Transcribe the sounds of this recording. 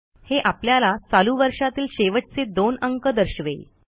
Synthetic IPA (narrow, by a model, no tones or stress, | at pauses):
heʔapljalat͡saluʋəɾʂat̪iːlɕeʋəʈ̚t͡sed̪onəŋkəd̪əɾɕʋe